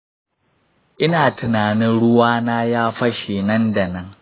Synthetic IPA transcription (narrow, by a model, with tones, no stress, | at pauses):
ʔɪ˦naː˨tʊ˨naː˨nɪ˦nɽʊ˦waː˦naː˦jaː˦ɸɐ˦ʃeː˨nɐ˦nda˨nɐ˦ŋ